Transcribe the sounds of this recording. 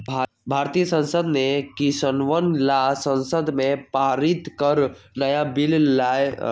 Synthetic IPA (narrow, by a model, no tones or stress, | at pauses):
bʱaːɾt̪ijəsə̃nsəd̪nekisənʋənlasə̃nsəd̪mẽpaɾit̪kəɾnəjabillaj